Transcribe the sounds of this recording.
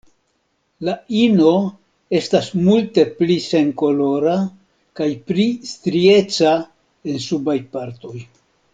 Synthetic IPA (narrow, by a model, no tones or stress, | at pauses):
laino̞ | e̞stasmulte̞plise̞ŋko̞lo̞ɾa | kajplist̪ɾie̞t͡sa | e̞nsubajpaɾto̞j